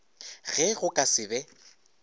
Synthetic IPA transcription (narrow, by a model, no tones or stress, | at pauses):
ɣɛɣʊkʼasɪbɛ